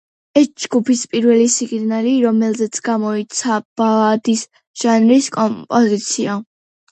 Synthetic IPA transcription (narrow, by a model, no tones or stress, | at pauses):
ɛsd͡ʒɡupʰispʼiɾvɛlisiɡnaliɾɔmɛlˠzɛt̪sʰɡamɔit̪sʰab̥alad̪is | ʒ̥anɾiskʼɔpʼɔzit̪sʰia